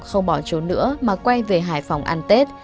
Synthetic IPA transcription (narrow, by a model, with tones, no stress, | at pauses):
xə˧wŋ͡mɓɔ˧˩t͡ɕu˨˦nɨ̰˧˥əmaː˨˩kwa˧jve˨˩ɦaː˧˩jfa˨˩wŋ͡mʔa˧nt̪e˦˥t̚